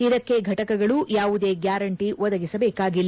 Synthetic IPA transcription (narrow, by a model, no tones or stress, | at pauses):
id̪ɐkːe̞ɡʱɐʈɐkɐɡɐɭuʔjaːʋud̪e̞ːɡjaːɾɐɳʈiʋɔd̪ɐɡisɐbɛːkaːɡilː